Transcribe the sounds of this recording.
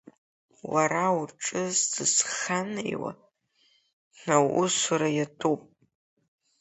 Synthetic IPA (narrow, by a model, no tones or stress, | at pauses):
waɾawʈ͡ʂʼɨzdɨsχanḛjwa̰ | nawʔʊsʷaɾajatʰʼopʼ